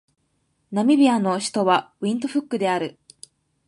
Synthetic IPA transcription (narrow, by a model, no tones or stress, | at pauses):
namʲibʲiano̞ɕi̥t̪o̞βaɯĩnt̪o̞ɸɯ̟kːɯ̟d̪e̞aɾɯ̟